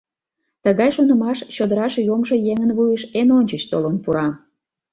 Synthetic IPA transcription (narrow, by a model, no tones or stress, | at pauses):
t̪əɣɑjʃonə̆mɑʃt͡ɕod̪əɾɑʃjomʒojeŋənβujəʃenonʲt͡ɕət͡ɕt̪o̰lənpuɾɑ